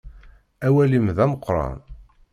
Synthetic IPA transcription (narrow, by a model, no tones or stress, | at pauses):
æwælimðæməqːɾˤɑ̰n